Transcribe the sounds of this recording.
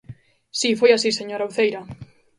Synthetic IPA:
sifojasiseɲoɾawθejɾa

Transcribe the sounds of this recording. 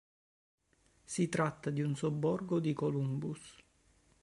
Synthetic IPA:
sit̪ɾat̪ːad̪iunsobːɔrɡod̪ikolumbus

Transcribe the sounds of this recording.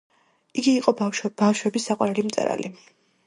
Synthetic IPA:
iɡiːqʼɔb̥afʃwɛbisːaqʼwaɾɛlimt̪sʼɛ̰ɾa̰li

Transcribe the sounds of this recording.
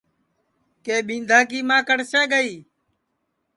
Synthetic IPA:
keːɓĩːnd̪ʱaːk̬iːmãːkəɽseːɡəiː

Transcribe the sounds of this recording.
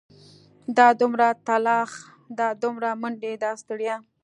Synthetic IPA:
d̪ɑd̪ʊmɾat̪alɑx | d̪ɑd̪ʊmɾamʊɳɖed̪ɑst̪əɽja

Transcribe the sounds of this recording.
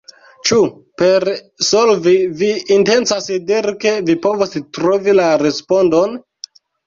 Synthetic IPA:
t͡ʃu | pe̞ɾ | solviviːnte̞nt͡sasidiɾke̞vipo̞vostɾo̞vilaɾe̞spo̞ndo̞n

